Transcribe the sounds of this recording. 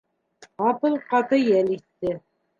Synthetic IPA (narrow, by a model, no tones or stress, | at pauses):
ɑpɤ̆lˠqɑt̪ɤjæliθːɘ